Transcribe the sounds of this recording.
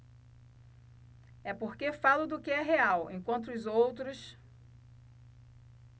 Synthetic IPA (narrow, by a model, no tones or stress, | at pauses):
ɛpoɾkefalʊd̪ʊkɪɛɦeawḛ̃kwɐ̃nt̪ʊʊzowt̪ɾʊs